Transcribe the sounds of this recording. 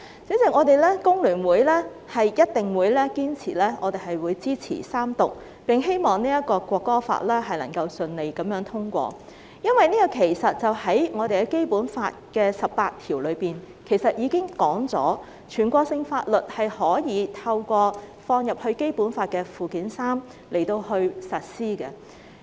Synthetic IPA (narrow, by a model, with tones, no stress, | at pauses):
t͡sɪ˨˥ŋt͡sɪ˨ŋɔː˨˧d̪e˨jlɛː˥kʊ˥ŋlyː˨˩nwuː˨˧jlɛː˥ | hɐ˨jjɐ˥t̚t̪ɪ˨ŋwuː˨˧jlɛː˥kiː˥nt͡sʰḭː˨˩lɛː˥ŋʔɔː˨˧d̪e˨jɦɐ˨jwuː˨˧jt͡siː˥t͡sʰḭː˨˩saː˥mt̪ʊ˨k̚ | pɪ˨ŋɦe˥jmɔː˨˩ŋniː˥ɐ˥t̚kɔː˧kʷɔː˧kːɔː˥fa̰ː˧t̚lɛː˥ɦɐ˨jlɐ˨˩ŋkɐ˧wsɵ˧nle˨˧jkɐ˨˦mjœː˨˧˥ŋt̪ʰʊ˥ŋkʷɔ̰ː˧ | jɐ˥nwɐ˨jniː˥kɐ˧kʰe˨˩jsɐ˨t̚t͡sɐ˨whɐ˨˥jŋɔː˨˧d̪e˨jkɛ˧ke˥jpuː˨˥nfa̰ː˧t̚kɛː˧sɐ˨ppaː˧t̚t̪ʰiː˨˩wlɵ˨˧ɥpiː˨n | kʰe˨˩jsɐ˨t̚jiː˨˧kɪ˥ŋkɔː˨˥ŋt͡sɔ̰ː˨˥ | t͡ʃʰyː˨˩nkʷɔː˧ksɪ˧ŋfaː˧t̚lɵ˨t̚hɐ˨jhɔː˨˥jiː˨˧t̪ʰɐ˧wkʷɔː˧fɔː˧ŋjɐ˨p̚hɵ˧ɥke˥jpuː˨˥nfaː˧t̚kɛː˧fuː˨kiː˨˥nsaː˥m | le˨˩jt̪o˧whɵ˧ɥsɐ˨t̚siː˥kɛ˧